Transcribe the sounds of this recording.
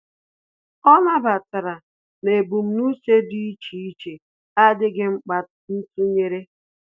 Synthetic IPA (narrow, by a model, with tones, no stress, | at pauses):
ɔ˦na˦ba˨ta˨ɾa˨ | ne˨bu˨m̩˨˦nu˦se˦di˦i˦t͡ʃi˨i˦t͡ʃe˨ | a˦dɪ˦ɡɪ˦ŋ͡m̩˦k͡pa˨t | n̩˦tu˦ɲe˦ɾe˦